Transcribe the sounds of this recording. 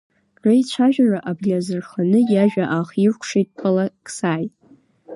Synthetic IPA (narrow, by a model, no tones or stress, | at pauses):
rejt͡ʃʷʰaʒᶣaraʔabɡʲazɨrχanɨjaʒᶣaʔaχirʷkʷʰʂejtʼpʰalakʰʼsaːjtʼ